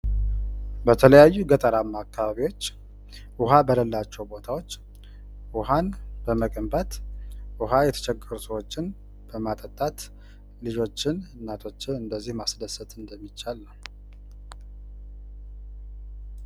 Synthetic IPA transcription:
bət̪ʰələjajːuɡət̪ʼəɾamːakʰːaβaβiwo̞t͡ʃː | ʔʊɦabələlːat͡ʃːɛwbo̞t̪ʰawot͡ʃː | ʔʊɦanbəməkʼəmbət̪ʔʊɦajɛt̪ʰə̥t͡ʃʰɛkʼːəɾusəwo̞t͡ʃːɪn | b̥əmat̪ʼət̪ʼːat̪ | lɨd͡ʒo̞t͡ʃːɪnnːat̪ʰo̞t͡ʃːɪnɨnd̪əzːihmasd̪əsət̪ɨnd̪əmːit͡ʃːalːə

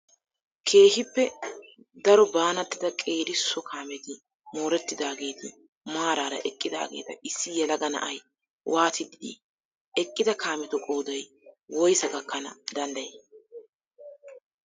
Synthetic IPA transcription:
kʰe̞ːhɪpːɛ | d̪ɐɾɔbaːnɐt̪ːɪd̪ɐkʼe̞ːd̪ɪsːɔkʰaːmɛt̪ɪ | moːɾɛt̪ːɪd̪aːɡe̞ːt̪ɪ̰ | maːɾaːɾɐ̰ʔɛkʼːɪd̪a̰ːɡḛːt̪ɐɪsːɪjɛlɐɡɐnɐ̰ʔɐj | wʔaːt̪ɪd̪ɪd̪ḭ | ɛkʼːɪd̪ɐkʰaːmɛt̪ɔkʼo̞ːd̪ɐj | wɔjsɐɡɐkːɐnɐd̪ɐnd̪ɐjeː

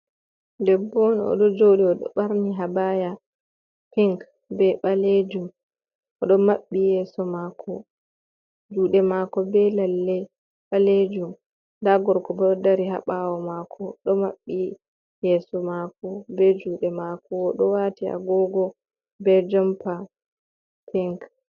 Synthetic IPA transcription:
dɛbːɔnɔ̰ɗɔd͡ʒowɗiɔɗɔ̰ɓaɾniɦabaja | piŋk | bɛɓaled͡ʒum | ʔɔɗɔmaɓːijɛːsɔmakʰɔ | d͡ʒuːɗɛmakɔbɛlalːɛ | ɓaled͡ʒum | ndaɡɔɾkɔbɔɔdaɾiɦa̰ɓawɔmakʰɔɗɔmaɓːi | jɛːsɔmakɔbɛd͡ʒuːɗɛmakɔːɗɔwatia̰ɡɔɡɔ | bɛd͡ʒɔmpa | piŋk

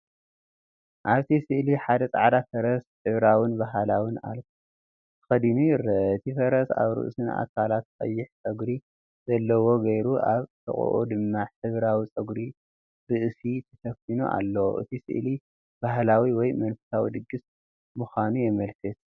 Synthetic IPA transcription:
ʔaβt̪ʰisɨʔliħad̪ɐt͡sʼaʕd̪afɐɾɐsħɨβɾawɨnbaɦalawɨna̰lkʰ | t̪ʰɨ̥xɐd̪inuɾɨʔt̪ʰifɐɾɐsa̰βɾɨ̰ʔsɨna̰kʰalat̪kʼɐ̰jːɪħt͡sʼɐɡɾi | zɐlːɐwo̞ɡɐjɾuʔaβt̪ʰɐ̰χʼṵʔo̰d̪ɨmːaħɨβɾawit͡sʼɐɡɾi | ɾɨʔsit̪ʰɐfɐfinṵʔa̰lːo̰ʔɨ̰t̪ʰisɨ̰ʔli | b̥aɦlawiwɔjmɐnfɨ̥sawḭd̪ɨɡːɨs | muxanujɛmɐlkʰɨt̪̚

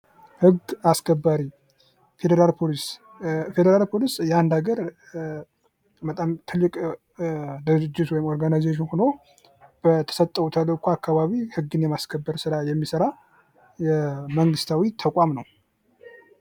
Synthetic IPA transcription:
hɨɡaskʰəbːaɾi | fed̪əɾalpʰolis | fe̞d̪əɾalpʰo̞lisjand̪aɡəɾ | bət̪ʼamt̪ʰɨlːɨkʼ | d̪ɨd͡ʒːɪt̪wɔjɪmo̞ɾɡanajzeʃ̬ɪnhono | b̥ət̪ʰə̥sət̪ʼːəut̪ʰələkʷʰuakːaβaβihɨɡːɨnjɛmaskʰəbːəɾsɨɾajɛmːisəɾa | jɛməŋɡɨst̪ʰawit̪ʰəkʷʼamnəw

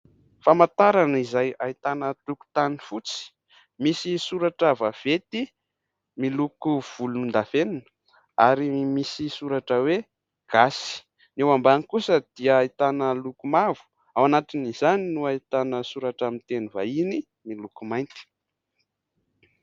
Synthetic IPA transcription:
famat̪aɾanizajait̪anət̪uku̥t̪anifut͡si̥ | misisuɾaʈ͡ʂavav̥et̪i | milukuv̥ulunind̪aveninə̥ | aɾimisisuɾaʈ͡ʂəwe | ɡ̥asi̥ | newambanikusəd̪̥iəait̪anəlukumavu̥ | awanat̪inizaninuait̪anəsuɾaʈ͡ʂamint̪enivaini | milukumajnt̪i̥

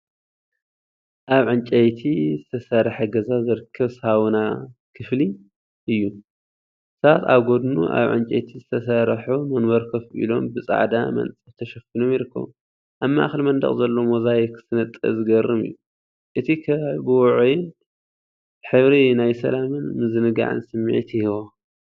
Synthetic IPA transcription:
ʔaβʕɨnt͡ʃʼejt̪ʰizɨt̪ʰɐsɐɾħeɡɐzazɨɾɨkʰːɐβshawnakʰɨfli | ʔɨjːu | sɐβat̪a̰βɡo̞d̪nṵʔa̰βʕɨ̰nt͡ʃʼɐ̰jt̪ʰizɨt̪ʰɐsɐɾħumɐnwɐɾkʰɐfʔḭlo̞̰mbɨt͡sʼa̰ʕd̪a̰mɐ̰nt͡sʼɨt̪ʰɐʃɐfinomjɪɾɨkːɐ̰βu | ʔaβmːaʔa̰xlmɐnd̪ɐ̰χʼzɐlːo̞mozajekʰɨ̥sɨnɐt̪ʼːɐ̰zɨɡɐrːɨmɨ̰jːu | ʔɨt̪ʰikʰɐbɨwɔʕujɪn | ħɨβɾinajsɐ̰lamɨnmɨzɨnɨɡa̰ʕɨ̰nsɨmːḭʕt̪ʰhɨβo

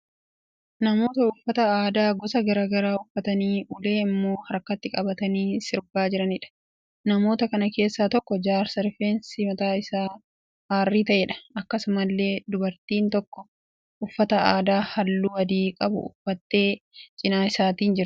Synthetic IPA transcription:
nɐmo̞ːt̪ɐʊfːɐt̪ɐaːd̪aːɡɔsɐɡɐɾaːɡɐɾaːʊfːɐt̪ɐniːʔʊle̞ːɪmːo̞ːhɐɾkːɐt̪ːɪkʼɐbɐt̪ɐniːsɪɾbaːd͡ʒɪɾɐnɪᶑɐ̥ | nɐmo̞ːt̪ɐkɐnɐke̞ːsːaːt̪ɔkːɔd͡ʒaːɾsɐɾfeːnsɪmɐt̪aːɪsaː | aːrːiːt̪ɐʔeːᶑɐ̥ɐkːɐsʊmɐlːe̞ːd̪ʊbɐɾt̪iːnt̪ɔkːɔ̥ | ʔʊfːɐt̪ɐaːd̪aːhɐlːuːwɐd̪iːkʼɐbʊ̰ʊ̰fːɐt̪ːe̞ːt͡ʃʼɪnaːɪsaːt̪iːnd͡ʒɪɾɐ

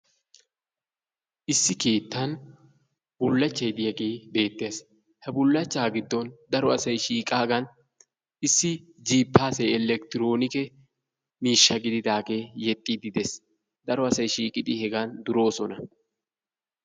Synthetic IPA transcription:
ʔɪsːɪke̞ːt̪ːɐn | b̥ʊlːɐt͡ʃːɐjd̪ɪjɐɡeːbe̞ːt̪ːes | hɛbʊlːɐt͡ʃːaːɡɪd̪ːɔnd̪ɐɾɔɐsɐjʃiːkʼaːɡɐn | ɪsːɪ | d͡ʒiːpːaːsɛjɛlɛk̚t̪ɪɾo̞ːnɪkɛ | miːʃːɐɡɪd̪ɪd̪aːɡe̞ːjɛt̪ʼːid̪ɪd̪ɛs | d̪ɐɾɔɐsɐjʃiːkʼɪd̪ɪhɛɡɐnd̪ʊɾo̞ːsɔnɐ

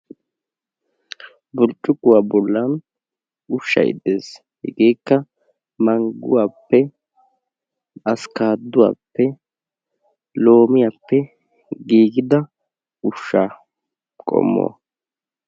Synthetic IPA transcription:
bʊlt͡ʃʼːʊɡʊwaːbɔlːɐn | ʊʃːɐ̰jɪ̰d̪eːs | hɪ̰ɡe̞ːkːɐ | mɐŋɡʊwaːpːɛ | ɐskaːd̪ːʊwa̰ːpːɛ | lo̞ːmɪjapːɛ | ɡiːɡɪd̪ɐ | ʊʃːaː | kʼɔ̰mːo̰ː

